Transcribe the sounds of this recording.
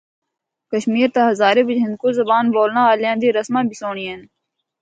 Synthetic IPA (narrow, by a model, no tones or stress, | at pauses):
kəʃmiːɾt̪aɦəzaːɾeːbɪd͡ʒɪ̃nd̪̚koːzəbaːnboːlnãːaːljãːd̪iːɾəsmãːbʱɪsoːɳien